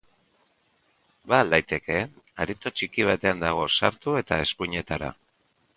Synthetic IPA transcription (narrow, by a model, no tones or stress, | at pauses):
balajt̪e̞ke̞ | aɾit̪o̞t͡ʃikiβ̞at̪e̞and̪aɣ̞o̞saɾt̪ue̞t̪ae̞skuɲe̞t̪aɾa̰